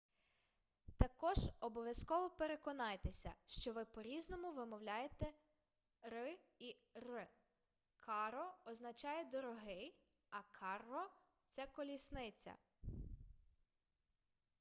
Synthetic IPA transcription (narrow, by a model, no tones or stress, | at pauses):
t̪ɐkɔʒɔbɔʋʲjɐskɔʋɔpe̞ɾe̞kɔnɑjet̪esʲɐ̰ʃt͡ʃɔʋɪpɔɾʲiznɔmʊʋɪmɔwlʲajet̪ɛ | rɪ | i | rɪ | kʰɑɾɔɔznɐt͡ʃɑjɛd̪ɔɾɔɦɪj | ɐkʰɑrɔ | t̪sɛkɔlʲisnɪt͡sʲɐ̰